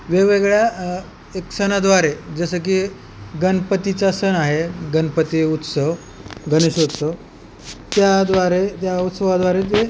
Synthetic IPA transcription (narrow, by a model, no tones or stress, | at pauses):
ʋeɡʋeɡɭja | eksənad̪ʋaɾed͡zəsək̬iː | ɡənpət̪it͡sasənaɦeɡənpət̪iut̪səʋ | ɡəniɕut̪səʋ | t̪jad̪ʋaɾet̪jaut̪səʋad̪ʋaɾet̪e